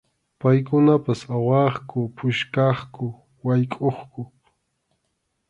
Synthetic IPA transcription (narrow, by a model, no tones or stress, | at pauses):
pajkʊnapasawɑχkʊpʰʊʃkɑχkʊ | wajkʼoχkʊ